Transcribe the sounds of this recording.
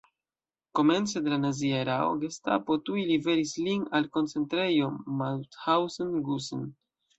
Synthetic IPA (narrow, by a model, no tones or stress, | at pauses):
ko̞me̞nt͡se̞de̞lanaziaeɾao̰ɡesta̰po̞tuilive̞ɾislinalko̞nt͡se̞ntɾe̞jo̞malthawsonɡuso̰n